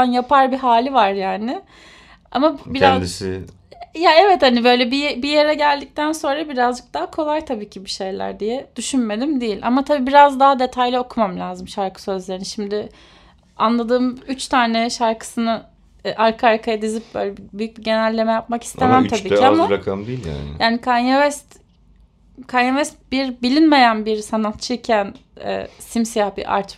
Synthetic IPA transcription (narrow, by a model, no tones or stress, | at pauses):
anjapʰaɾbiɦaːlʲivaɾjaːnɪ | a̰mabiɾazd̪isɪ̰ | jaɛvɛt̪hanibø̞jlʲɛbibijeɾɛɟælʲd̪ic̚t̪ʰænso̞nɾabiɾazd͡ʒɯk̚d̪aɦakʰo̞lˠajt̪ʰabiːcʰibiʃe̞jlʲæ̰ɾd̪ijɛd̪̥yʃynme̞d̪imd̪ejilʲʔa̰mat̪ʰabiːbiɾazd̪aɦad̪e̞t̪ʰajlʲɛo̞kʰumamlʲaːzɯmʃaɾkʰɯ̥sø̞zlʲe̞ɾiniʃimd̪ɪ | anlˠad̪ɯːmyt͡ʃt̪ʰaːneʃaɾkʰɯ̥sɯnɯ | ʔaɾkʰɯaɾkʰajad̪izip̚bøjlʲɛbibyjyc̚biɟe̞nælʲːe̞mɛjapmaki̥st̪emæmt̪abiːiamaɾakʰamd̪eilʲja̰njaːnikʰanjavɛst̪ | kʰanjavɛst̪̚biɾbilʲinme̞jænbiɾsanat̪̚t͡ʃʰɯcʰænɛ̰ːsimsijahbḭʔa̰ɾt͡ʃ